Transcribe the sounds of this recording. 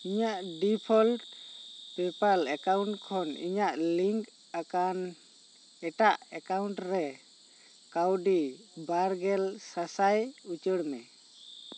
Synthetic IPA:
iɲaʔɖipʰɔlʈpɛpalɛkawɳʈkʰɔnḭɲaʔliŋk | akan | ɛʈaʔɛkawɳʈɾɛ | kawɖi | baɾɡɛlsasajut͡ʃəɽmɛ

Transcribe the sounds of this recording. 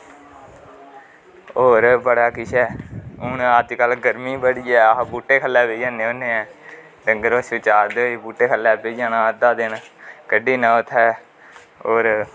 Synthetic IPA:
oːɾbəɽaːkɪʃʰɛːʊnat̪kəlɡəɾmiːbəɽiːɛːbuːʈːeːkʰəlːɛːbeːd͡ʒãːnẽːoːneːɛː | ɖəŋɡəɾoːsɪt͡ʃaːɾd̪eibuːʈːeːkʰəlːɛːbeːd͡ʒãːnaːəd̪aːd̪enkəɖiːnəʊt̪ʰɛː | oːɾ

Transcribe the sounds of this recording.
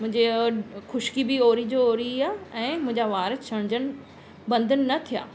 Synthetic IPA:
mʊ̃ɦɪ̃ɲd͡ʑexʊʃkibɪoːɾid͡ʑooːɾiaːɛ̃ːmʊ̃ɦɪ̃ɲd͡ʑaʋaːɾɪt͡ɕʰɐɽ̃d͡ʑənɪ̆ | bɐ̃nd̪ʱənɪ̆nɐt̪ʰija̰ː

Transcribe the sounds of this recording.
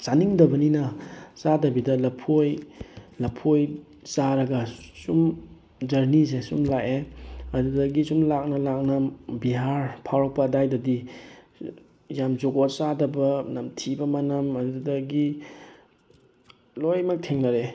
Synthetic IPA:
saniŋdɐbɐninɐsadɐbidɐlɐpʰojlɐpʰoj | saɾɐɡɐsum | d͡ʒɐɾnis̬esumlakeɐdudɐɡisumlak̚nɐlak̚nɐbiɦaɾpʰawɾɔpɐdajdɐdi | jamzoɡɔsadɐbɐnɐmtʰibɐmɐnɐmɐdudɐɡi | lojmɐk̚tʰeŋnɐɾe

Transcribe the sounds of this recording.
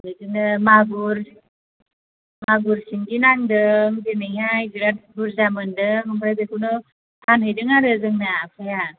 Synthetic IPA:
lɯjdɯŋnɯmaɡuɾ | maɡuɾsiŋɡinaŋdɯŋdenɯjajɡiɾat̚buɾzamɯndɯɦɯmpʰɾajbekʰunɯ | tʰanɦɯjdɯŋaɾɯzɯŋnapʰɯja

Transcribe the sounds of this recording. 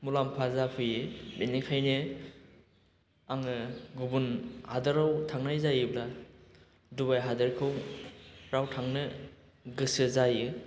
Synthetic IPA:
mulampʰazapʰɯjɯbenikʰajnɯ | aŋɯɡubunhadɯɾawtʰaŋnajzajɯbla | dubajɦadɯɾkʰɯw | ɾawtʰaŋnɯ | ɡɯsɯzajɯ

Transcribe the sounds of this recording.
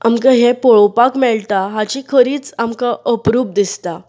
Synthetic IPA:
a̰mkaɦẽpɔɭɔpakmɛɭʈ̪aɦat͡ɕikʰəɾiːt͡samkaʔəpɾuːb̚d̪ist̪a

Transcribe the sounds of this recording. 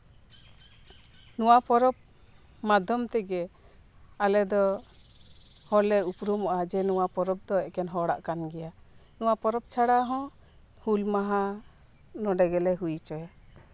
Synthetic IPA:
nuwapɔɾɔb̚ | mad̪ʱɔmt̪ɛɡɛ | alɛd̪ɔ | hɔlɛupɾumɔʔad͡ʒɛnɔwapɔɾɔb̚d̪ɔɛkɛnɦɔɽa̰ʔkanɡɛjanɔwapɔɾɔb̚t͡ʃʰaɽaɦɔ̃ | hulmaɦa | nɔɖɛɡɛlɛɦujt͡ʃɔɛ

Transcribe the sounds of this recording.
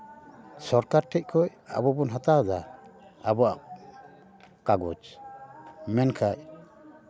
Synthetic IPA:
sɔɾkaɾʈʰɛc̚kʰɔj | a̰bɔbɔnɦat̪ad̪aː | bɔa | kaɡɔt͡ʃ | mɛnkʰaj

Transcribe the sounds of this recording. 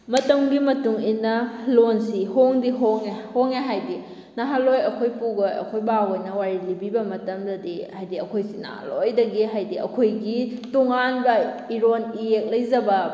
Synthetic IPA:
mɐtɐmɡimɐtuŋinɐlonsihoŋdiɦoŋehoŋeɦajdi | naɦalojɐkʰojpuɡojɐ̰kʰojbawojnɐwaɾilibibɐmɐtɐmdɐdihajdiɐkʰojsina̰ha̰lojdɐɡiɦajdiɐ̰kʰojɡitoŋanbɐiɾoniek̚lɐjzɐbɐ

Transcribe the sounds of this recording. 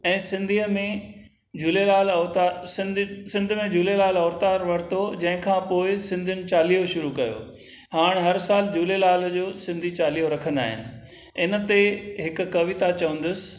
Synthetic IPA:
ɛ̃ːsɪ̃nd̪ʱiːmẽ | d͡ʑulelaːlɔːt̪asɪ̃nsɪ̃nd̪ʱmẽd͡ʑuːlelaːlɔːɾt̪aːɾʋɐɾt̪ʰod͡ʑɐ̃ɦɪ̃kʰãːpoːɪsɪ̃nd̪ʱʊnɪ̆t͡ɕaːlijoʃʊɾukɐjo̰ː | ɦaːɽ̃ɦɐɾsaːld͡ʑuːlelaːld͡ʑoːsɪ̃nd̪ʱit͡ɕaːlijoɾɐkʰə̃nd̪a̰ːɦɪ̰nɪ̆ | ɪnə̆t̪eɦɪkʊ̆kɐʋɪt̪at͡ɕɐʋə̃n̆d̪ʊsɪ̥

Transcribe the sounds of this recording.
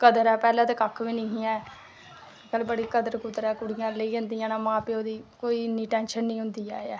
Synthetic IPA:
kəd̪əɾɛːpɛːlãːt̪eːkakʰʋiːnĩːɦiːɛ̃ː | kəlbəɽiːkəd̪əɾkʊt̪ːəɾɛːkʊɽɪjãːləiːə̃nd̪ijãːnãːmãːpeoːd̪iːkoːiːɪnːiːʈɛ̃ːnʃənːĩːɦʊ̃nd̪iːa̰ːɛː

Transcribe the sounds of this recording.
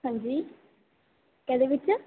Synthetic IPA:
ə̃ɲd͡ʒiː | kɛ̃ːd̪eːʋɪt͡ʃ

